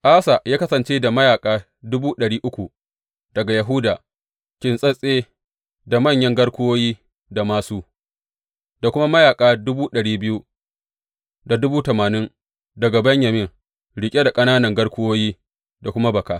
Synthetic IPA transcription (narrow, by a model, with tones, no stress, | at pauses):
ʔaː˦sa˨jaː˦kɐ˦sɐ˨nt͡ʃeː˦da˨mɐ˦jaː˨kʼaː˦ | dʊ˦buː˦ɗɐ˨ɽiː˦ʔʊ˦kʷu˨ | d̥ɐ˨ɡa˨ja˨ɦʊ˦daː˨ | kʲɪ˨nsʼɐ˦sʼeː˦ | da˨mɐ˦˨ɲjɐ˦ŋɡɐ˦ɽkʷʊ˦woː˦jiː˦ | da˨maː˨suː˦ | da˨kʷʊ˦ma˦mɐ˦jaː˨kʼaː˦dʊ˦buː˦ɗɐ˨ɽiː˦bɪ˦ju˦ | da˨dʊ˦buː˦tɐ˨maː˨nɪ˦n | dɐ˨ɡa˨bɐ˦ɲjɐ˨mɪ˦ŋ | ɽɪ˨kʲʼe˦da˨kʼɐ˦naː˦nɐ˨ŋɡɐ˦ɽkʷʊ˦woː˦jiː˦ | da˨kʷʊ˦ma˦bɐ˨kaː˨